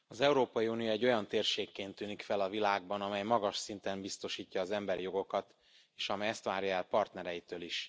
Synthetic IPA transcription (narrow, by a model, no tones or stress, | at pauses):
ɒzɛuɾoːpɒjiunijoɛɟːo̞jɒnt̪eːrʃeːkːeːnt̪ːyːnikfɛlɒvilaːɡbɒnɒmɛjmɒɡɒʃsint̪ɛmbist̪o̞ʃiːcːɒːzɛmbɛɾijo̞ɡo̞kɒt̪ | eːʃɒmɛjɛst̪ʋaːɾjɒɛlpɒrt̪nɛɾɛjit̪øːliʃ